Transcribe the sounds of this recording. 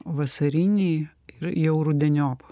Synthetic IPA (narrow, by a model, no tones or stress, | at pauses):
ʋɐsɐɾʲinʲɛɪ | ɪɾjɛʊɾud̪ʲɛnʲoːp